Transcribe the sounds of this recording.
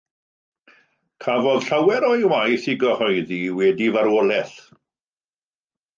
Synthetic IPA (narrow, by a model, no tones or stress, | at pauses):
kʰavɔðɬawɛɾɔjwajθiɡɔhɔjðiwɛdivaɾwolɛθ